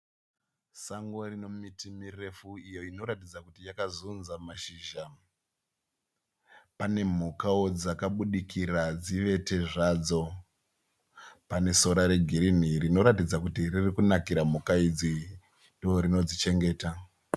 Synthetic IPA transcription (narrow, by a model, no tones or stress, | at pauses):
saŋɡo̞rino̞mitimire̞fuijo̞ino̞ɾatid͡zakutijakazunzamaʃiːʒa | pane̞m̤ukao̞d͡zakaɓuɗikirad͡ziʋe̞te̞ʐaːd͡zo̞ | pane̞so̞ɾaɾe̞ɡʱiɾin̤irino̞ɾatid͡zakutiririkunakiɾam̤ukaid͡zi | ndooɾino̞d͡zit͡ʃe̞ŋɡe̞ːta